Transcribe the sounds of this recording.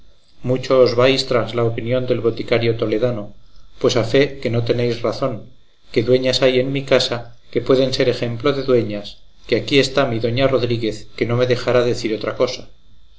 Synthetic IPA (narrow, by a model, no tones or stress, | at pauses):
mut͡ʃoːzβajst̪ɾazlaopinjo̞nd̪e̞lβo̞t̪ikaɾjo̞t̪o̞le̞ðanopwe̞safe̞ke̞no̞t̪e̞ne̞jsraθo̞ŋ | ke̞ðwe̞ɲasaje̞nmikasake̞pwe̞ðe̞nse̞ɾe̞xe̞mplo̞ðe̞ðwe̞ɲas | keakie̞st̪amiðo̞ɲaro̞ðɾiɣe̞θke̞no̞me̞ðe̞xaɾaðe̞θiɾo̞t̪ɾako̞sḁ